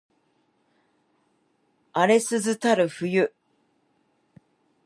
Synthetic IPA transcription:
aɾe̞sɨzɨt̪aɾɯ̟ɸɯ̟jɯ

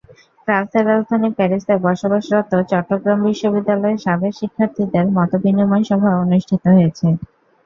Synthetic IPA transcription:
kɾaɾseɾɾad͡ʑd̪ʱanipɛɾisʈaɾbɔɾʃobaʃɾɔt̪ːot͡ɕɔʈːoɡɾambiʃːobid̪ːalɔeɾʃabekʃikʰːaɾt̪ʰid̪eɾmɔt̪obiniumanʃɔbʱaonuʃʈʰit̪oɦojet͡ɕʰe

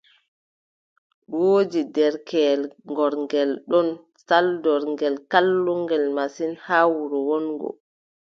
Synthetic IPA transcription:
woːd͡ʒidɛɾkɛlŋɡɔɾŋɡɛlɗɔn | saldɔɾŋɡɛlkalːuŋɡɛlmasinhaːwuɾuwɔnɡɔ̰

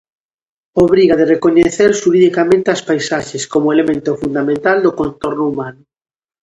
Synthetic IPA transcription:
oβ̞ɾiɣaðerekoɲeθeɾʃuɾiðikamẽnt̪easpajsaʃeskomoelemẽnt̪ofund̪amẽnt̪ald̪okont̪oɾnoumanʊ

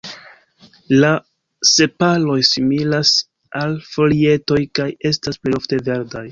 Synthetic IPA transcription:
la | se̞palo̞jsimilas | ʔalfo̞lie̞to̞jkaje̞stasple̞jo̞fte̞ve̞ɾdaj

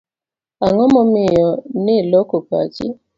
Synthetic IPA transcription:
aŋɔmɔmɪjɔnɪlokopa̰t͡ʃɪ̰

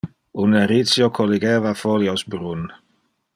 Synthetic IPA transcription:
uneɾisjokʰoliɡeːvafoljosbɾun

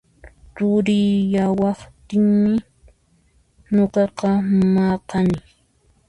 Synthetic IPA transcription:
ɾʊɾɪjawɑχt̪ɪŋmɪ | noqɑqɑmɑqɑnɪ

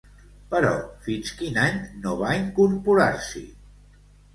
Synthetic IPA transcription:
pəɾɔ̰finskinaɲnoβaiŋkuɾpuɾaɾsḭ

